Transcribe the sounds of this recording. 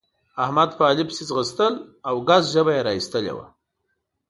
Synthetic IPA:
ahmad̪paːlipsizɣəst̪əlawɡazʒəbajeɾɑist̪əlḛwa̰

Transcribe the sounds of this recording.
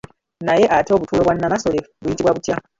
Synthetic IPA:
naje̞ʔateoβutuːlo̞βwanːamaso̞leβujitiβwaβutja

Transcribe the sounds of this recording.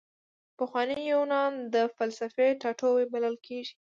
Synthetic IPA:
pəxwɑnijownɑnd̪əfalsafeʈɑʈowebaləlkʰeʒi̥

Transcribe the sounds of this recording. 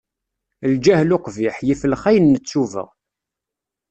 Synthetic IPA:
ld͡ʒæhlʊqviħjifəlχæjənːət͡sːuvə̰ʁ

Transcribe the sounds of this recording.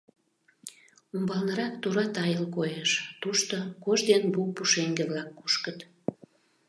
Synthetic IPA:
umbɑlnəɾɑk̚t̪uɾɑt̪ɑjəlkojeʃt̪uʃt̪okoʒd̪enbupuʃeŋɡeβlɑkːuʃkət̪

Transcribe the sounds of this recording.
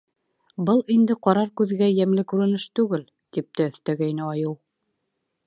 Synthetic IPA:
bɤlˠind̪ɘqɑɾɑɾkʉðɡæjæmlɘkʉɾɘ̆nɘʃt̪ʉɡɘl | t̪ip̚t̪æɵ̆θt̪æɡæjnɘɑjɤw

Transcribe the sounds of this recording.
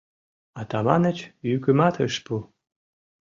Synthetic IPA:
ɑt̪ɑmɑnə̆t͡ɕjykɘmɑt̪əʃpu

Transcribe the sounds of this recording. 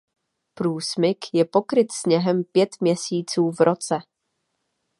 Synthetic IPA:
pɾuːsmɪkjɛpo̞kɾɪt̪sɲɛɦɛmpjɛt̪mɲɛsiːt͡suːvɾot͡sɛ

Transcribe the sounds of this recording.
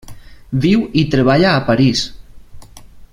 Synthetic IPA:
biwit̪ɾeβ̞aʎaːpaɾis

